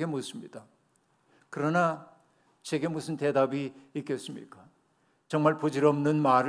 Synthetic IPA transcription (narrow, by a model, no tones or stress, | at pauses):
ɡe̞mos͈ɯmɲid̥a | kɯɾʌna | t͡ɕe̞ɡe̞musʰɯnte̞dabiːk͈es͈ɯmɲḭk͈a | t͡ɕʌŋmaɭpod͡ʑiɾʌmnɯnmaɾ